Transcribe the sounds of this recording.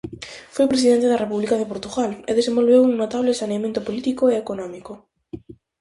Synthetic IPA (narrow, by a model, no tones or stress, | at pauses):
fwojpɾes̬iðent̪eðarepuβlikaðepoɾt̪uɣaleðesembo̞lβewuŋnot̪aβ̞lesaneamjẽnt̪opolit̪ikoeekonɔ̃miko